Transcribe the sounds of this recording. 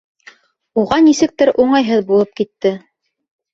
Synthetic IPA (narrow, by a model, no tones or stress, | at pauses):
uʁɑnisɘ̆k̚t̪ɘɾʔuɴɑjɦɤðbulˠɤp̚kit̪ːɘ